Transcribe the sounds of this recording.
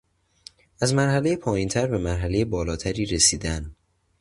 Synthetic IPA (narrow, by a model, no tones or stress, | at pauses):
æzmæɾhæle̞jepʰɒːjint̪ʰæɾbe̞mæɾɦæle̞jebɒːlɒːt̪ʰæɾiːɾesiːd̪æn